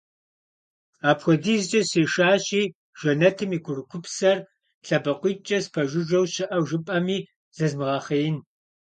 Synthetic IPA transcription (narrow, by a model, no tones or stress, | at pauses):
aːpxʷɔdiːzt͡ʃʼɐseːʃaːɕiː | ʒ̥ɐnɐtʰɨmiːkʷʰʊrɨkʷʰʊpsɐr | ɬɐbɐqʷiːt͡ʃʼɐspʰɐʒʷɪʒʷɐwɕɪʔɐwʒɨpʼɐmiː | z̥ɐzmɨʁɑːχɐjɪn